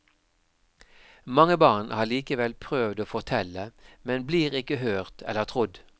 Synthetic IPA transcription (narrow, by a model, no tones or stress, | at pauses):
mɑŋəbɑːʁnhɑːʁliːkəʋɛlpʰʁøːʋd̪oːfɔʁt̪ʰɛləmɛnbliːʁɪkəhøːʁt̪ʰɛ̰ləʁt̪ʰʁʊd̪